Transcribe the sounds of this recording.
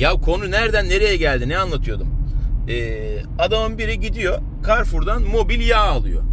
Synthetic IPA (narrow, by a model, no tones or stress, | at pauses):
jaβkʰo̞nunæɾd̪ænːe̞ɾe̞jɛɟælʲd̪inɛanlˠat̪ʰɯjo̞d̪umɛː | ad̪amɯnbiɾiɟid̪ijo̞ | kʰaɾfuɾd̪anmo̞bilʲjaːlˠɯ̰jo̞̰